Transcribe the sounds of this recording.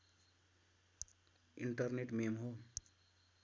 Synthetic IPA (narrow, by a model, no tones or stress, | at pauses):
ḭɳʈʌrneʈmemɦo